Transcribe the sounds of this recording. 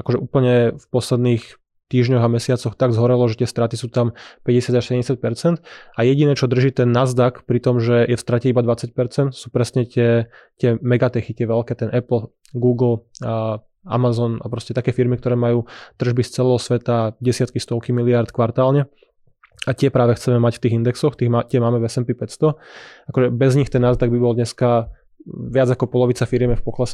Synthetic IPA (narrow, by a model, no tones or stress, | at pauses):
akɔʒɛʔuːpl̩ɲɛfpɔslɛd̪niːx | t̪iːʒɲɔɣamɛsɪat͡sɔxt̪aɡzɦɔɾɛlɔʒɛt̪ɪɛst̪ɾat̪isuːt̪ampɛɟɛsɪadaʃsɛɟɛmɲɟɛsɪac̚pɛɾt͡sɛnt̪ajɛɟinɛːt͡ʃɔd̪r̩ʒiːt̪ɛnːazd̪akpɾit̪ɔmʒɛjɛfst̪ɾacɛibad̪ʋat͡sac̚pɛɾt͡sɛnt̪suːpɾɛsɲɛt̪ɪɛ | t̪ɪɛmɛɡat̪ɛxit̪ɪɛʋɛlkɛːt̪ɛnʔɛpl̩ | ɡuːɡl̩ | a̰mazɔna̰pɾɔscɛt̪akɛːfiɾmikt̪ɔɾɛːmajuːt̪r̩ʒbist͡sɛlɛːɦɔsʋɛt̪aɟɛsɪat̪̚kist̪ɔʊkimiliaɾt̪kʋaɾt̪aːlɲɛ | ac̪ɪɛpɾaːʋɛxt͡sɛmɛmacft̪iːɣind̪ɛksɔxt̪iːɣt̪ɪɛmaːmɛvɛsɛmpipɛtst̪ɔakɔʒɛbɛzɲixt̪ɛnːaːzd̪aɡbibɔld̪ɲɛska | ʋɪad͡zakɔpɔlɔʋit͡safiɾjɛmɛfpɔklas